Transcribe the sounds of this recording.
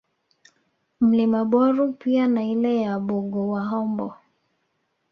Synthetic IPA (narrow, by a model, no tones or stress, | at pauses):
m̩limaɓɔɾupianailɛjaɓuɡɔwaɦɔmbɔ